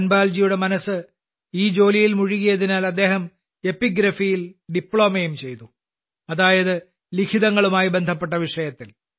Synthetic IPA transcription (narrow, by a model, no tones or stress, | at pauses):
ɐnbaːld͡ʑijuɽe̞mɐnɐsːɨ | iːd͡ʑo̞ːlijilmuɻiɣɐjɐðinaːlɐd̪ːe̞ːhɐm | e̞pːiɡɾɐfijilɖipːɭo̞ːmɐjumt͡ɕe̞jt̪u | ɐðaːjɐðɨ | likʰiðɐŋːɐɭumaːjibend̪ʱɐp̬ːeʈ̬ːɐʋiʂɐjɐt̪ːil